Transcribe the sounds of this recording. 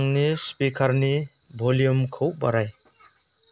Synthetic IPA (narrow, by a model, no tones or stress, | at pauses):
ŋnispikʰaɾni | bʱolijumkʰɯwbaɾaj